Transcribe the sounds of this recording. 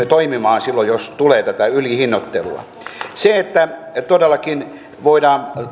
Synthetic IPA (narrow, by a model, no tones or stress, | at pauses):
et̪oimimɑːnsilːojost̪uleːt̪æt̪æylihinːot̪ːelṵɑ̰ | seet̪ːæt̪odelːɑkin | ʋoidɑːn